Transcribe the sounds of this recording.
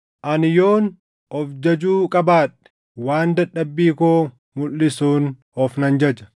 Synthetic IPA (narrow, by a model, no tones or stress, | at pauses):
ʔɐnjoːn | ʔɔfd͡ʒɐd͡ʒuːkʼɐbaːᶑɛ̥ | waːnd̪ɐᶑːɐbːiːkoː | mʊlːɪsuːn | ɔfnɐnd͡ʒɐd͡ʒɐ̥